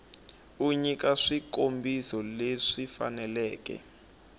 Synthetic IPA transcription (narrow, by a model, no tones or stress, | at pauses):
uɲikaʂikombisɔleʂifa̰nɛlɛːkɛ̰